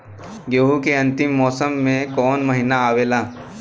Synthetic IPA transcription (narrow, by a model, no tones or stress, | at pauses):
ɡoːɦukeɐ̃nt̪ɪmːɔːsəmːẽkɔːnmɐɦɪnaaːʋeːlaː